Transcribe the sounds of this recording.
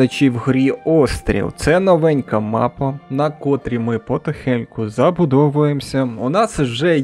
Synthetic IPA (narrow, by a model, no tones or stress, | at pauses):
ɐt͡ʃʲiwɦɾʲiɔst̪ɾʲḭlˠt̪sɛnɔʋɛnʲkɐmɑ̰pɐnɐkɔt̪ɾʲimɪpɔt̪ɔxɛnʲkʊzɐbʊd̪ɔʋʊjemsʲɐʊnɑsʒɛ